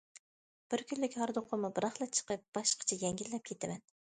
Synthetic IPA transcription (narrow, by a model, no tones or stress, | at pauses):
b̥ɪɾkʲʰynlɪkʲhɑɾd̪oqʰʊmubɨɾɑχlˠɑt͡ʃʰə̥qəp̚b̥ɑʃqʰə̥t͡ʃʰɛjɛŋɡʲilːɛp̚kʲʰet̪ʰɪmɛn